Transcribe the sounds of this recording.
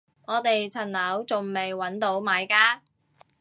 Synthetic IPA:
ŋɔː˨˧t̪e˨jt͡sʰɐ˨˩nlɐ˨˥wt͡sʊ˨ŋme˨jwɐ˨˥nt̪o˨˥wmaː˨˧jkaː˥

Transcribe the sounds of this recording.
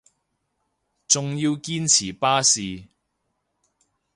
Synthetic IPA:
t͡sʊ˨ŋjiː˧wkiː˥nt͡sʰiː˨˩paː˥siː˨

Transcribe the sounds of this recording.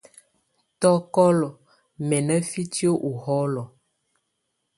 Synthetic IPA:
tɔ˦kɔ˦lɔ˨ | mɛ˨nə˦fi˦tjo˦ʔu˨hɔ˦lɔ˨

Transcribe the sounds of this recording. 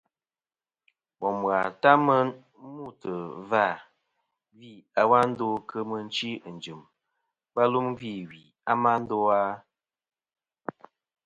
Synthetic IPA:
wɔ˨m˨a˨ta˦mə˦n˦ | mu˦˨tə˨va˦˨ | vi˦˨a˨wa˦n̩˦do˦kə˦mə˨n̩˦t͡ʃi˦˨n˨d͡ʒɨ˨m | ba˦lu˦mvi˦˨wi˨ | a˦ma˦n̩˦do˦a˦

